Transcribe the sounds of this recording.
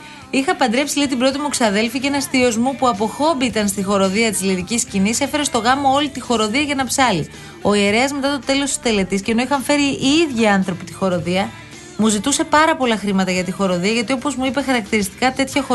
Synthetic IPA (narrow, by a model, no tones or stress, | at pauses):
ixɐpɐnd̪ɾe̞psilit̪ibɾo̞t̪̬imuksiɐðe̞lficeenɐst̪io̞zmupuɐpo̞xo̞biit̪ɐnst̪ixo̞ɾo̞ðiɐt̪izliðiciscinise̞fe̞ɾe̞st̪o̞ɣɐmo̞o̞lit̪ixo̞ɾo̞ðiɐʝɐnɐpsɐli | o̞ie̞ɾe̞ɐzme̞t̪ɐt̪ot̪e̞lo̞st̪i̥st̪e̞le̞t̪isceno̞ixɐɱfe̞ɾiiðʝiɐnθɾopit̪i̥xo̞ɾo̞ðiɐ | muzit̪use̞pɐɾɐpo̞lɐxɾimɐt̪ɐʝɐt̪ixo̞ɾo̞ðiɐʝɐt̪iopozmuipe̞xɐɾɐk̚t̪iɾist̪i̥kɐt̪e̞t̪çɐxo